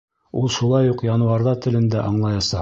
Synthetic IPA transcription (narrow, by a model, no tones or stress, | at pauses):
ulˠʃulˠɑjuqjɑnŭwɑɾðɑt̪ɘ̆lɘ̆nd̪æʔɑɴlˠɑjɑsɑ